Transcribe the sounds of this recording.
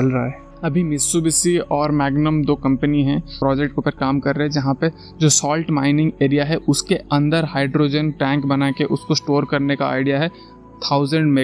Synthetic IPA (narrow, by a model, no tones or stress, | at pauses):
t͡ʃɐlɾɐaɦɛ | ɐbʱimɪsubɪsiɔːɾmɛːɡnəmd̪oːkɐ̃mpəniɦɛ̃pɾɔːd͡ʒɛk̚ʈ̚keʊpəɾkaːmkɐɾːəɦɛ̃d͡ʒɐɦãpɐ | d͡ʒoːsɔːlʈmãːɪnɪ̃ŋɡeːɾijaɦɛʔʊskeɐ̃nd̪əɾɦaːɪɖɾoːd͡ʒənʈɛ̃ːŋkbɐnakeʔʊskosʈoːɾkɐɾneka̰a̰ːɪɖijaɦɛ | t̪ʰaːʊzə̃ɳɖme